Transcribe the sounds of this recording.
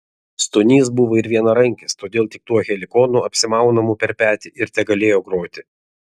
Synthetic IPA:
st̪ʊnʲiːs̬buʋoːɪɾʋʲiɛnɐɾɐŋʲkʲɪst̪oːd̪ʲeːlˠt̪ʲɪk̚t̪uɔɣʲɛlʲɪkɔːnuɐpʲsʲɪmɑˑʊnɐmupʲɛɾʲpʲæːt̪ʲɪʔɪɾt̪ʲɛɡɐlʲeːjoːɡɾoːt̪ʲɪ

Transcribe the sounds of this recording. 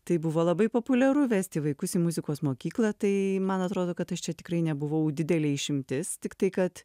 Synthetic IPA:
t̪ɐɪbʊʋoːlˠɐbɐɪpoːpʊlʲɛɾʊʋʲæːsʲt̪ʲɪʋɐɪkʊsimʊzʲɪkoːsmoːkʲiːklˠɐt̪ɐɪmɐnɐt̪ɾoːd̪oːkɐt̪ɐʃt͡ʃʲɛt̪ʲɪ̥kɾɐɪnʲɛbʊʋɐʊd̪ʲɪd̪ʲɛlʲeːɪʃʲɪmʲt̪ʲɪst̪ʲɪkt̪ɐɪkɐt̪

